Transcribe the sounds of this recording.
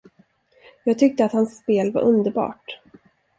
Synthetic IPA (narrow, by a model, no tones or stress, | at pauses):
jɑːɡ̚t̪ʰʏk̚t̪əat̪hansːpeːlva̰ɾʔɵnd̪əɾbɑ̰ːʈ